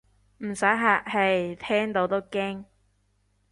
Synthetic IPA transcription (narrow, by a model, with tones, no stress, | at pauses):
m̩˨˩sɐ˨˥jɦaː˨˩k̚hɐ˨jt̪ʰɛː˥ŋt̪o˨˥wt̪o˥wkɪ˥ŋ